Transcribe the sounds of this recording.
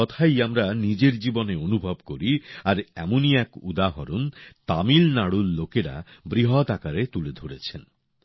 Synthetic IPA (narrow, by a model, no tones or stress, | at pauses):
ɔt̪ʰajamɾanid͡ʑeɾd͡ʑiboneonubʱobkoɾiaɾɛ̰moniɛkud̪aɦɔɾunt̪amilnaɽulːokeɾa̰bɾiɦot̪akaɾet̪uled̪ʱoɽet͡ɕʰen